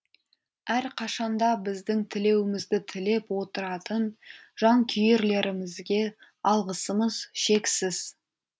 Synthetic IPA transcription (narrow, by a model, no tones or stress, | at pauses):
æɾqʰɑʃɑnd̪ɑbɪzd̪ɪŋt̪ʰɪle̞wɪmɪzd̪ɪt̪ʰɪle̞pwo̞t̪əɾɑt̪ən | ʒ̥ɑŋkʲʰʏjeɾle̞ɾɪmɪzɡʲe̞ | ɑlˠʁəsəməzʃe̞ksɪz̥